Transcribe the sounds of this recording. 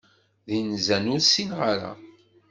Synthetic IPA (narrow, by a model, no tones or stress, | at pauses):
ðinzænʊɾsinʁaɾa̰